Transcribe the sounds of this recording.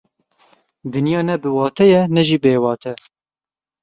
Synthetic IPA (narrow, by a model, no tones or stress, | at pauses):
d̪ɨnjɑːnɛbɨwɑːt̪ʰɛjɛnɛʒiːbeːwɑːt̪ʰɛ